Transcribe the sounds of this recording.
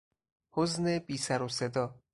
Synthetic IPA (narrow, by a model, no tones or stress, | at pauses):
hoznebiːsæɾose̞d̪ɒː